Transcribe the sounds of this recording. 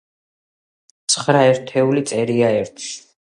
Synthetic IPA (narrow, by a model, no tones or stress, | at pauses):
t̪sʰχɾaɛɾt̪ʰɛulit̪sʼɛɾiaɛɾt̪ʰʃi̥